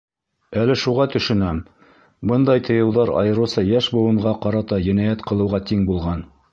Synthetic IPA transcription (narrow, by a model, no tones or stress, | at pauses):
ælɘʃuʁɑt̪ɵ̆ʃɵ̆næm | bɤnd̪ɑjt̪ʰɤ̆jɤ̆wðɑɾɑ̰jɤ̆ɾɤ̆wsɑjæʃbŭw̪ˠɤ̆ɴɢɑqɑɾɑt̪ɑjɘ̆næjæt̪qɤ̆lˠɤ̆wʁɑt̪iŋbulˠʁɑn